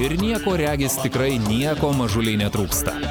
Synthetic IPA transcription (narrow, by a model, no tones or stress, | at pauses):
ɪɾnʲiɛkoːɾʲæːɡʲɪst̪ʲɪkɾɐɪnʲiɛkoːmɐʒʊlʲɛɪnʲɛt̪ɾuːkst̪ɐ̰